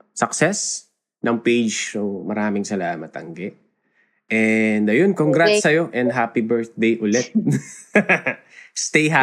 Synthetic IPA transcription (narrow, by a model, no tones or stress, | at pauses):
sɐk̚sɛs | nɐŋpejd͡ʒsomɐɾaːmɪŋsɐlaːmɐt̪ʔɐ̰ŋɡɛʔ | ʔɛnd̪ɐjonkoŋɡɾat̪sɐjo̞ʔɛnd̪ɦaːpibɛɹθd̪ejʔʊlɛt̪̚ | st̪ejɦa